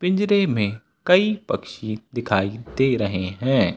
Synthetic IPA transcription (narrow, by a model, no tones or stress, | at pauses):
pɪ̃ɲd͡ʒɾemẽ | kɐipɐkʃid̪ɪkʰaːid̪eːɾɐɦeɦɛ̃ː